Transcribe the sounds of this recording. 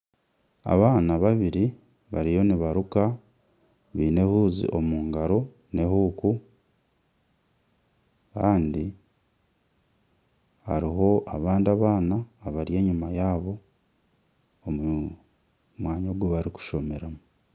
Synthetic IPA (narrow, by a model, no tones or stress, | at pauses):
a̰βaːnaβaβiɾi | βaɾijo̞niβaɾuka | βiːne̞huːzḭʔo̞muːŋɡaɾo | ne̞huːku | kaːndi | ha̰ɾiɦo̞ʔaβaːndiaβaːnaːβaɾje̞ːɲumajaːβo̞ | m | mwaːɲoɡuβaɾiku̥ʃo̞me̞ɾamu